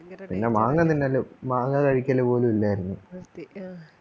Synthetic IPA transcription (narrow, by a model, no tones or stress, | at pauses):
pinːe̞maːŋːɐinːelmaːŋːɐkɐɻikʲːɐlepo̞ːlumilːaːjɾunːu